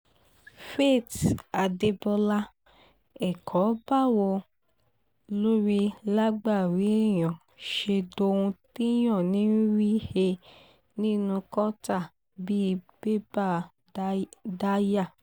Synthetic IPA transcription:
fe˦˨ta˨de˧bɔ˧la˦ | ɛ˨kʰɔ˨˦ba˦˨wɔ˧ | lo˦ɾi˧˦la˦ɡ͡ba˦˨ɾi˨˦ɛ˦˨j̃ɔ̃˨ | ʃe˧do˧ũ˧ti˦j̃ɔ̃˦˨nĩ˨˦n˦ɾi˦he˧ | nĩ˦nũ˧kɔ˦ta˦˨ | bi˦˧be˦ba˦˨ | da˦ja˦˨

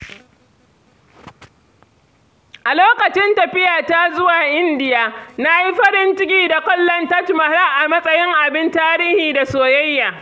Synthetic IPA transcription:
ʔa˨loː˦kɐ˨t͡ʃɪ˦ntɐ˨ɸɪ˦jaː˨ta˦zʊ˦waː˨ʔɪ˦ndɪ˨ja˨na˦ji˦ɸɐ˦ɾɪ˦nt͡ʃɪ˦kʲiː˦da˨kʷɔ˦lːɐ˦ntɐ˦tmɐ˨ɾa˦ʔa˨mɐ˦sʼɐ˦jɪ˦ŋʔa˨bɪ˦ntaː˦ɾiː˦hiː˨da˨soː˨jɐ˦jːaː˨

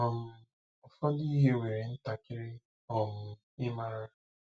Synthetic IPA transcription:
ɔ˨m̩˦ | ɔ˨fɔ˦di˦i˦ɦe˦we˨ɾɪ˨n̩˦ta˨kɪ˦ɾɪ˦ | ɔ˨m̩˨ | ɪ˦ma˦ɾa˦

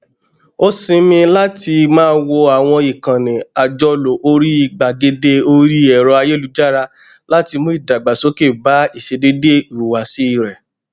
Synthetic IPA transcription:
o˦sĩ˧mĩ˧la˦ti˧mãː˦˧˦wo˧a˨w̃ɔ̃˧i˨kã˨nɛ̃˨a˨d͡ʒɔ˧lo˨ʔo˧ɾi˦i˨ɡ͡ba˨ɡe˧de˧o˧ɾi˦ɛ˨ɾɔ˧a˧je˦˨lu˧d͡ʒa˦ɾa˧ | la˦ti˧mo˨˦i˦˨da˨ɡ͡ba˨so˨˦ke˦˨ba˨˦i˦˨ʃe˧de˦de˦i˨ɾu˨wa˨si˨˦i˦˨ɾɛ˨

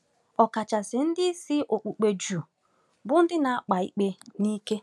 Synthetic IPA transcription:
ɔ˨ka˨t͡ʃa˨sɪ˨n̩˦dɪ˦sɪ˦ʔo˨k͡pu˨k͡pe˨d͡ʒu˨ | bʊ˦n̩˦dɪ˦na˨a˦k͡pa˨ḭ˦k͡pe˦ni˦ke˦

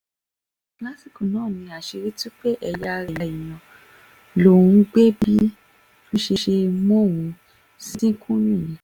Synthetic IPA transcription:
kla˦si˦˨kũ˨nãː˦˨nĩ˧a˨ʃe˧ɾi˦tu˦k͡pe˦ʔɛ˧ja˧ɾa˨˧˨ĩ˨j̃ɔ̃˨ | lõ˨˦˨ɡ͡be˦bi˦ | nũ˦ʃe˧ʃe˧mɔ̃˦˨wũ˧ | si˦ĩ˦kʰũ˦nĩ˦˨jĩ˨˦

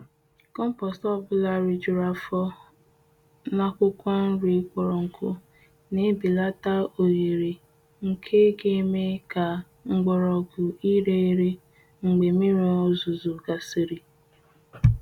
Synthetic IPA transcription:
kɔ˦m̩˦pɔ˨stɔ˦bʊ˨la˨ɾi˨d͡ʒʊ˨ɾa˨fɔ˦ | na˦kʷʊ˦kʷɔ˦n̩˦ɾi˦kʷɔ˨ɾɔ˨ŋ̩˨kʰʊ˦ | ne˦bi˨la˦ta˦o˨ɣe˨ɾi˨ | ŋ̩˨kʰe˦ɡe˦e˦me˦ka˨ | ŋ͡m̩˦ɡ͡bɔ˨ɾɔ˨ɡʊ˨i˦ɾe˦i˦ɾe˦ | ŋ͡m̩˨ɡ͡be˨mi˦ɾi˨˦o˦zu˨zu˨ɡa˨si˦ɾi˨

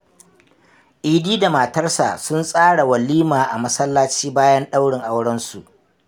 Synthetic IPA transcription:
ʔiː˨diː˦da˨maː˨tɐ˦rsa̰˨sʊ˦nsʼaː˦ɽa˨wɐ˨liː˦maː˨ʔa˨mɐ˦sɐ˦lːaː˦t͡ʃiː˦baː˦jɐ˦nɗa˦wɽɪ˨ŋʔa˦wɽɐ˦nsu˨ʔ

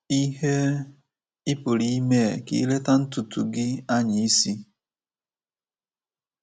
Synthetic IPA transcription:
i˦ɦe˦ | ɪ˦pʊ˨ɾi˦me˦˨kḭ˦i˦le˦ta˦n̩˦tu˨tu˨ɡɪ˦a˦ɲɪ˨i˦si˦

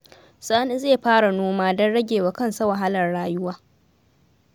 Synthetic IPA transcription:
sʼaː˦ni˦zeː˦˨ɸaː˦ɽa˨noː˦maː˦dɔ˦nɽɐ˦ɡʲeː˨wa˨kɐ˦nsa˦wa˨ɦa˦lɐ˨rɽaː˦jʊ˦waː˦

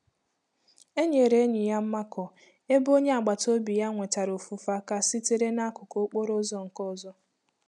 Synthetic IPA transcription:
e˦ɲe˨ɾe˦ɲɪ˨ja˦m̩˦ma˦kɔ˨ | e˦bo˦ɲe˦a˨ɡ͡ba˨to˦bi˨ja˦ŋʷe˨ta˨ɾo˨fu˨fa˦ka˦si˦te˦ɾe˦na˦kʊ˨ko˦k͡po˦ɾo˦zɔ˦ŋ̩˨kɔ˦zɔ˦

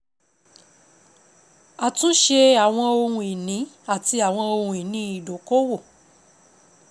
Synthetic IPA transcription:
a˨tũ˦ʃe˦a˨w̃ɔ̃˧o˧ɾũ˧i˨nĩ˨˦ | a˦˨ti˧a˨w̃ɔ̃˧o˧ɾũ˨i˨nĩ˧˦i˨do˨ko˦wo˦˨

